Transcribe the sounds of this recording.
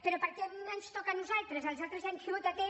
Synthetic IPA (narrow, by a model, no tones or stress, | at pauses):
peɾopəɾkɛnenst̪ɔkanuzalˠt̪ɾezalzalˠt̪ɾezanʃiut̪at̪e